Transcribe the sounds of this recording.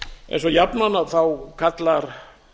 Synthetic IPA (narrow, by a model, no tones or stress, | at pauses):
ḛjnsɔjapnanaðθawkʰat̪laɾ